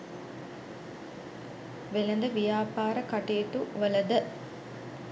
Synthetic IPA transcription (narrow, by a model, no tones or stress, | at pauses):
ʋelɐnd̪əʋijaːpaːɾəkaʈeːʈuʋələd̪ə